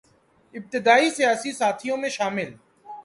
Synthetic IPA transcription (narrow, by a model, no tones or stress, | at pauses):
ɪb̚t̪ɪd̪aːisijaːsisaːt̪ʰijõmẽʃaːmɪl